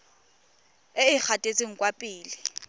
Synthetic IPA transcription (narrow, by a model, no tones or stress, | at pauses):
ɪɪk͡xʰatʼet͡sʼeŋ̩kwapʼɪːlɪ